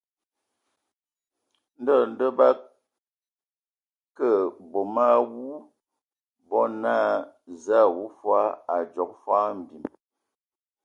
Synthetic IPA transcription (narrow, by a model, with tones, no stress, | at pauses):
n̩˦dɔ˦˨n̩˦də˦ba˦ | kə˦˨bo˨ma˦wu˦ | bɔ˦na˦za˦˨wu˦fwa˦a˨d͡ʒɔ˨k̚fwa˦m̩˨bi˨m